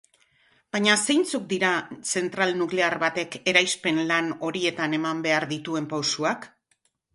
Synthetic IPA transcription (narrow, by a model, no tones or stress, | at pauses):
b̥aɲase̞jnt͡suk̚d̪iɾase̞nt̪ɾalnukle̞aɾβat̪e̞ke̞ɾajspe̞nlano̞ɾie̞t̪ane̞mambe̞aɾðit̪ue̞mpawsuak